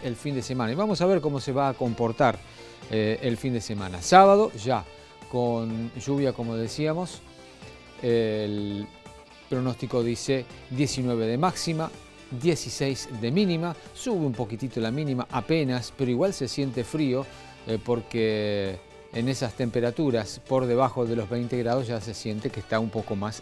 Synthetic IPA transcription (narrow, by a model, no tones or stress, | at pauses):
elfind̪e̞se̞mãnaiβamo̞saβe̞ɾko̞mo̞se̞βaːko̞mpo̞ɾt̪aɾ | eelfind̪ese̞mãna̰saβað̞o̞ʒa | ko̞nʒuβjako̞mo̞ðe̞siamo̞s | el | pɾo̞no̞st̪iko̞ðiseðje̞sinwe̞βe̞ðe̞maksima | ðje̞sisejzd̪e̞mĩnĩmasuβeumpo̞kit̪it̪o̞lamĩnĩmaʔape̞naspeɾoiɣwalse̞sje̞nt̪e̞fɾio̞ | po̞ɾkeː | nesast̪e̞mpe̞ɾat̪uɾaspo̞ɾðe̞β̞axo̞ðe̞lo̞zβejnt̪e̞ɣɾað̞o̞zʒas̬e̞sje̞nt̪e̞kest̪aumpo̞ko̞mas